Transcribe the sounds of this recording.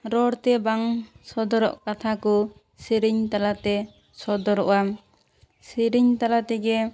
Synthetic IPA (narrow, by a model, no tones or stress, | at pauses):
ɾɔɽt̪ɛbaŋsɔd̪ɔɾɔ̰ʔkat̪ʰakɔ | siɾiɲt̪alat̪ɛ | sɔd̪ɔɾɔʔam | siɾiɲt̪alat̪ɛɡɛ